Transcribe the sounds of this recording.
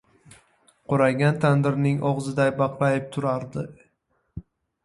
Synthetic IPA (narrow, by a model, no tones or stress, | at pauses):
qʰʊɾaɡʲant̪ʰand̪ɪɾnɪŋʔɒʁzɪd̪ajbɑqlajɪp̚t̪ʰʊɾaɾd̪ɪ